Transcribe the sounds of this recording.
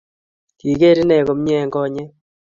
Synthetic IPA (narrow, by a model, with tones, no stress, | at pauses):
ki˨ke˦ɾi˦nɛ˨ko˨˦mɲɛ˦˨ŋɡɔ˦˨ɲɛ˦